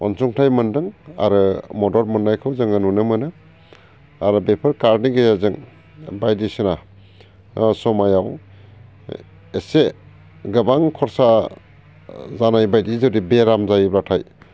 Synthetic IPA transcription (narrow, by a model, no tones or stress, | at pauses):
ɔ̰nsuŋtʰajmɯndɯŋa̰ɾɯmɔdɔɾmɯnːajkʰɯwzɯŋɯnunɯmɯnɯ | aɾɯbepʰɯɾkaɾniɡɯjazɯŋ | bajdisɯna | sɔmajaw | ese | ɡɯbaŋkʰɔɾsa | zanajbajdizɯdibeɾamzajbɾatʰaj